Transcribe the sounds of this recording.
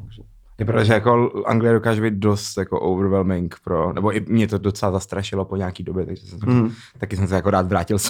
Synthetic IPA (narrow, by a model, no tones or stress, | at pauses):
jɛpɾot̪oʒɛjakoʔa̰ŋɡlɪjɛdo̞kaːʒubejt̪̚do̞st̪jakoʔowvɾvɛlmɪŋkpɾonʔɛboʔɪmɲɛt̪odot͡sɛlazast̪ɾaʃɪlopoɲaːkiːdobjɛt̪aɡʒɛsɛmt̪o | t̪akɪsɛmsɛjakoɾaːt̪vɾaːcɪls